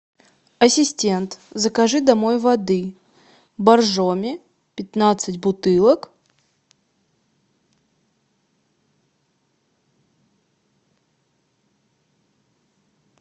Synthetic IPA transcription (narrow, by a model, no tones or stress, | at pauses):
ɐsʲɪsʲtʲent̪zəkɐʐɨd̪ɐmojvɐd̪ɨ | bɐrʐomʲɪ | pʲɪt̪nat̪sɨtʲbʊt̪ɨlˠək